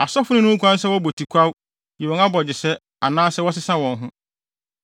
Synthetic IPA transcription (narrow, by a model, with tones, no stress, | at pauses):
a˨sɔ˦fʊ˦nʊ̃˦nʊ̃˦kʰʷã˦n̩˦sɛ˦wɔ˦bo˨tʰi˨kʷʰa˦w | ji˨wɔ̃˨ŋa˦bɔ˨d͡ʑɪ˨sɛ˦ | a˨nãː˦sɛ˦wɔ˦sɪ˦sã˦wɔ̃˨n˦ɦʊ̃˦